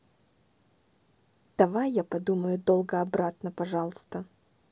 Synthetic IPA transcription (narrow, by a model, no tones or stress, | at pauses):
d̪̥ɐvajːapɐd̪uməjʊd̪olˠɡəɐbɾat̪nəpɐʐɑlˠəst̪ə